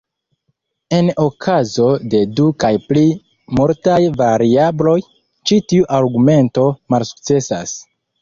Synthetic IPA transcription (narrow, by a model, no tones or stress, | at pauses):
e̞no̞kʰazo̞de̞dukajpli | moɾtajvaɾiablo̞j | t͡ʃitiuʔaɾɡume̞nto̞malsu̥k̚t͡se̞sa̰s